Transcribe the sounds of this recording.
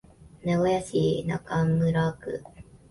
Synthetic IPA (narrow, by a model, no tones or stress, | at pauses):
neojasinakamːɯɾakɯ̰